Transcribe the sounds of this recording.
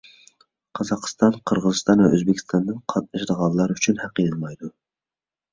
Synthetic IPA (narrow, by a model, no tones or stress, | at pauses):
qʰɑzɑqʰst̪ɑnqʰəɾʁəzɨst̪ɑnvɛʔøzbɪkʲʰi̥st̪ɑnd̪ɨnqʰɑt̪̚nɨʃd̪əʁɑlˠːɑɾyt͡ʃʰynhæqed̪ɨlˠmɑjd̪u